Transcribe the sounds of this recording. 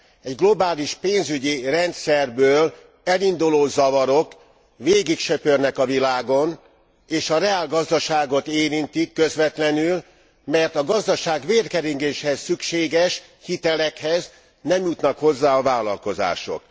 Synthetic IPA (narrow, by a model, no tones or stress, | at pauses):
ɛɟɡlo̞baːliʃpeːnzyɟirɛnt̪sɛrbøːl | ɛlind̪uloːzɒvɒɾo̞k | veːɡikʃøpørnɛkɒvilaːɡo̞n | eːʃɒrɛaːlɡɒzd̪ɒʃaːɡo̞t̪eːɾint̪ikːø̞zʋɛt̪lɛnyl | mɛrt̪ɒɡɒzd̪ɒʃaːɡʋeːrkɛɾiŋɡeːʃhɛssykʃeːɡɛʃ | hit̪ɛlɛkhɛz | nɛmjut̪nɒkho̞zːaːɒvaːlɒlko̞za̰ːʃo̞̰k